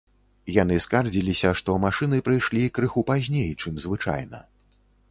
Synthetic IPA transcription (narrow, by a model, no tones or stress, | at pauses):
jan̪ɨskard͡zʲilʲisʲɐʂt̪ɔmaʂɨnɨpɾɨjʂlʲikɾɨxupazʲnʲejt͡ʂɨmzvɨt͡ʂa̰jnɐ̰